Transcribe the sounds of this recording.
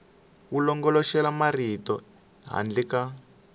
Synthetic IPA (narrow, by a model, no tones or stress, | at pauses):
ulɔŋɡɔlɔʃɛlamaritɔ | ɦa̰nd͡ɮika